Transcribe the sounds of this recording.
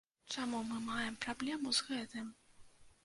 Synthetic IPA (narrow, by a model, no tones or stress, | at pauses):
t͡ʂamumɨmajɛmpɾablʲɛmuzɣɛt̪ɨm